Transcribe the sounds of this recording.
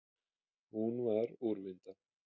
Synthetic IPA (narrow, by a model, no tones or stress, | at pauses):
hunvaɾuɾvɪnt̪a